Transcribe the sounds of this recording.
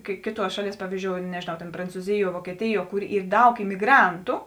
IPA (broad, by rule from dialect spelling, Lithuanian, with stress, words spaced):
kɐɪ ˈkʲeːˌtuɔs ˈʃɑːˌlʲiɛs ˈpɑːʋʲiːzʲd͡ʒʲoːʊ nʲɛʒʲeːˈnɐʊ tʲeːn prɐnt͡suːˈzʲɪˌjuɔ ʋuɔkʲiɛˈtʲɪˌjuɔ ˈkʊr ˈiːr ˈdɐʊk ɪmʲɪˈɡrɐntʊ